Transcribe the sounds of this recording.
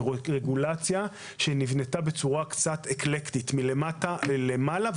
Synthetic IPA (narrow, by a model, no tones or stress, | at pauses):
ʁeɡulat͡sja | ʃenivne̞tabe̞t͡suʁakt͡sateklektitmilematalemala